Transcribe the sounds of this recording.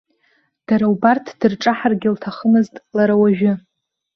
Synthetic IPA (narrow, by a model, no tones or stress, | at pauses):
d̥aɾawbartʰd̥ɨrʈ͡ʂʼaħarɡʲɪltʰaχəmɨztʼlaɾawaʒᶣɪ